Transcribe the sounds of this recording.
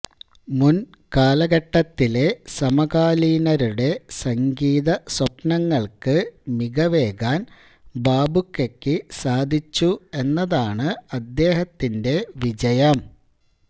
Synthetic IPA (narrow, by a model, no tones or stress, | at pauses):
mun | kaːlɐɡɐʈːɐt̪ːile̞sɐmɐɡaːliːnɐɾuɽe̞sɐŋɡiːðɐswɐpnɐŋːɐɭkɨmiɡɐʋe̞ːɡaːn | baːbʱukːekːɨsaːd̪ʱit͡ɕːue̞nːɐðaːɳɨɐd̪ːe̞ːɦɐt̪ːinde̞ʋid͡ʑɐjɐm